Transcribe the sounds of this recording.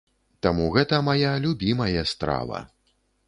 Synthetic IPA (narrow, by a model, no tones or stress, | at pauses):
t̪amuɣɛt̪ɐmajalʲubʲimɐjɐst̪ɾa̰vɐ̰